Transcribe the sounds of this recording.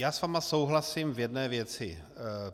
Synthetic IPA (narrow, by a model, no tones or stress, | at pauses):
jaːsvaːmasowɦlasiːmvjɛdnɛːvjɛt͡sɪ